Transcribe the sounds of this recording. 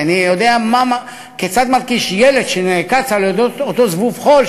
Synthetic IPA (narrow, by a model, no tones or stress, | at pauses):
anijo̞d̪eamama | ket͡sat̪malkiʃjeled̪ʃenekat͡saleod̪otot̪ozvuvχo̞l